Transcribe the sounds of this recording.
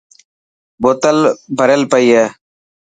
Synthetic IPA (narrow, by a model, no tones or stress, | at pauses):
boːt̪əlbʱəɾelpəiːeː